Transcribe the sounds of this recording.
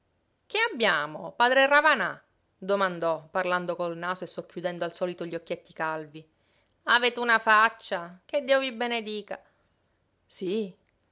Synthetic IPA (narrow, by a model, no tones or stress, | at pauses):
k̟eabːjaːmopaːd̪ɾeravana | d̪omand̪ɔpːarland̪okolnaːsoesːokːjud̪ɛnd̪oalsɔːlit̪oʎːokːjet̪ːikalvi | aveːt̪eunafat͡ʃːak̟ed̪ːiːovibened̪iːka | si